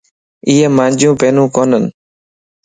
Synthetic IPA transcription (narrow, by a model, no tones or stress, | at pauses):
iːeːmãːnd͡ʒʱjũːpeːnũːkoːnən